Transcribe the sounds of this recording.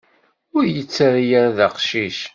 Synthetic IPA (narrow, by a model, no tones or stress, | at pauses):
ʊɾjət͡sːəɾjæɾðəqʃiʃ